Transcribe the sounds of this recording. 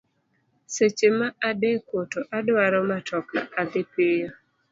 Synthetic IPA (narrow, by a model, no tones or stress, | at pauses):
set͡ʃemaadekwotoʔadwaɾɔmatʰɔka̰ʔad̪ɪpɪjo